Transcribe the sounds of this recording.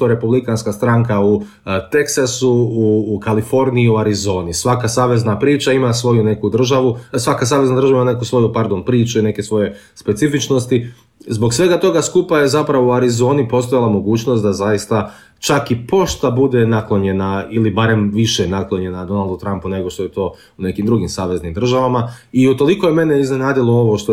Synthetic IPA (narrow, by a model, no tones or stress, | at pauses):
oɾe̞publikanskast̪ɾaŋkau | t̪e̞ksasuuːkalifo̞ɾniiuaɾizo̞ːnisʋakasaːʋe̞znapɾiːt͡ʃaimasʋo̞june̞kud̪r̩ʒaʋusʋakas̬aːʋe̞znad̪ɾr̩ʒaimanekusʋo̞jupaɾd̪onpɾiːt͡ʃuine̞kesʋo̞je̞ | spe̞t̪sifit͡ʃno̞st̪i | zbo̞ksʋe̞ɡat̪o̞ɡaskupaje̞zapɾaʋouaɾizo̞ːnipo̞st̪ojalˠamo̞ɡuːt͡ʃnost̪d̪azajist̪a | t͡ʃakipo̞ʃt̪abud̪e̞naklˠo̞ɲe̞nailibaɾe̞mʋiʃenaklˠo̞ɲe̞nad̪o̞nalˠd̪ut̪ɾampune̞ɡo̞ʃt̪o̞jet̪o̞ː | une̞kimd̪ɾuɡimsaːʋe̞znimd̪r̩ʒaʋamaiut̪o̞lˠikoje̞me̞neizne̞naːd̪ilˠo̞o̞ʋoʃt̪o